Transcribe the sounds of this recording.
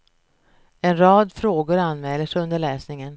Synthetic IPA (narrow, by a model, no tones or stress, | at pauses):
ɛnɾɑːd̪fɾoːɡʊɾanːmɛːlːəʂɵnd̪əɭɛːsnɪŋən